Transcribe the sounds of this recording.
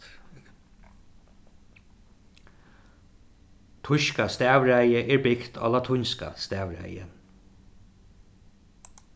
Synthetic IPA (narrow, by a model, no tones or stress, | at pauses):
t̪ʰʊʃkast̪æːʋɹæjəʔɛɹbɪkt̪ʰa̰ːlat̪ʰʊɲska̰st̪æːʋɹæ̰jə̰n